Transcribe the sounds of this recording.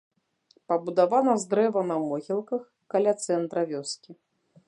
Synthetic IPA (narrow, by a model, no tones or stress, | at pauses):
pɐbud̪avanɐzd̪ɾɛvɐnɐmɔɣʲilˠkɐx | kalʲat̪sɛnt̪ɾɐvʲɔskʲi